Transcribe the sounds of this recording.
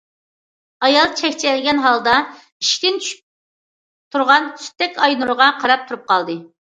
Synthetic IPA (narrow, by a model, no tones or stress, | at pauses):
ɑjɑlˠt͡ʃʰɛkʲt͡ʃʰilɡʲɛnɦɑlˠd̪ɑ | iʃt̪ʲɪnt͡ʃʰyʃ | t̪ʰuɾʁɑnʰy̥st̪ɛkʲɑjnuɾʊʁɑqʰɑɾɑp̚t̪ʰuɾup̚qʰɑlˠd̪ɨ